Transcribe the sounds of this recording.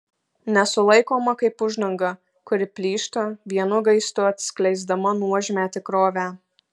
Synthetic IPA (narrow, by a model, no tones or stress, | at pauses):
nʲɛsʊlˠɐɪkoːmɐkɐɪpʊʒd̪ɐŋɡɐ | kʊɾʲɪpʲlʲiːʃt̪ɐʋʲiɛnʊɡɐɪst̪ʊɐt̪ʲsʲklʲɛɪzd̪ɐmɐnuɔʒʲmʲæt̪ʲɪkɾoːʋʲæː